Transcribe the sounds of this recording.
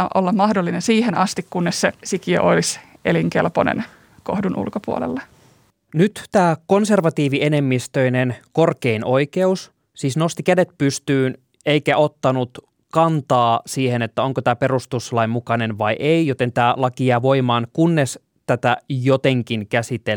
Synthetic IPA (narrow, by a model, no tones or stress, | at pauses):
ʔolːɑmmɑhdolːinensiːhenɑst̪ikkunːessesikiø̰ʔolisʔeliŋkḛlpo̰nḛn | kohdunʔṵlkopuo̰lḛlːɑ | nyt̪t̪æːko̞nse̞rʋɑt̪iːʋiene̞mːist̪øinenko̞rkeinʔo̞ike̞us | siːsno̞st̪ikæde̞t̪pyst̪yːn | e̞ikæʔo̞t̪ːɑnut̪ | kɑnt̪ɑːsiːhenet̪ːæoŋkot̪æːpe̞rust̪uslɑimmukɑne̞nʋɑiʔejjot̪e̞nt̪æːlɑkiæːʋo̞imɑːnkunːes | t̪æt̪æjot̪eŋkinkæsit̪e